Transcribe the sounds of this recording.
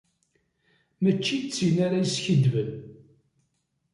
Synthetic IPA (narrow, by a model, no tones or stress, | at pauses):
mət͡ʃːit͡sːinaɾajsçəd̪vən